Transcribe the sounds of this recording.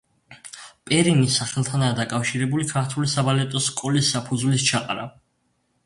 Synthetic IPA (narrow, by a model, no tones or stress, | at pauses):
pʼɛɾinisaχɛlˠt̪ʰanaːd̪akʼafʃiɾɛbulikʰaɾt̪ʰulisabalɛt̪ʼɔskʼɔlisːapʰud̪zvlist͡ʃʰaqʼaɾa̰